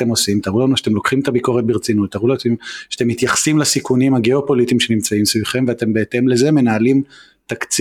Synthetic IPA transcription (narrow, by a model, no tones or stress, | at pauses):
temo̞simt̪aʁulanuʃḁt̪e̞mlo̞kχimet̪abiko̞ʁet̪̚beʁt͡sinut̪ːaʁulamʃate̞mːit̪jaχsimlasikunimhaɡeopo̞lit̪imʃe̞nimt͡saimsviχe̞mveat̪e̞mbeete̞mle̞ze̞me̞naːlim | t̪akt͡s